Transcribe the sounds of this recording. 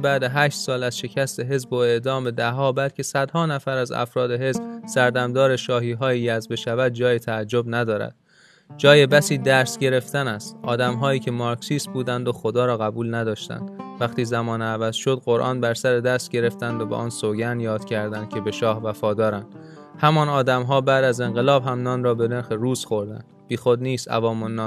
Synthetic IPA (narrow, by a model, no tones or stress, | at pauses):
bæːd̪eɦæːʃt̪sɒːlæzʃe̞cʰæst̪e̞ɦe̞zboe̞d̪ɒːmbed̪æɦɒːbælcʰe̞sæd̪̥hɒːnæfæɾæzæ̰fɾɒːd̪e̞ɦe̞zbsæɾd̪æmd̪ɒːɾe̞ʃɒːɦiːɦɒːjiːjæzbeʃævæd̪̚d͡ʒɒːjit̪ʰæːd͡ʒːobnæd̪ɒːɾæ̰d̪̥ | d͡ʒɒːje̞bæsiːd̪æɾsɟe̞ɾe̞ft̪ænæst̪ʔɒːd̪æmɦɒːjiːcʰe̞mɒːɾksiːst̪̚buːd̪ænd̪oxo̞d̪ɒːɾɒːɣæbuːlnæd̪ɒːʃt̪æ̰nd̪̥væχt̪iːzæmɒːnævæzʃo̞d̪ɢoɾʔɒ̰ːnbæɾsæɾed̪æst̪ɟe̞ɾe̞ft̪ænd̪obḛʔɒːnsoɡænjɒːd̪̥cʲʰæɾd̪ænd̪̥cʲʰe̞be̞ʃɒːhvæfɒːd̪ɒːɾænd̪̥ | hæmɒːnɒːd̪æmɦɒːbæːd̪æze̞ŋɢe̞lɒːbɦæmnɒːnrɒːbe̞ne̞ɾxeɾuːzxo̞ɾd̪æ̰nd̪b̥iːxod̪niːst̪æ̰vɒːmonːɒːn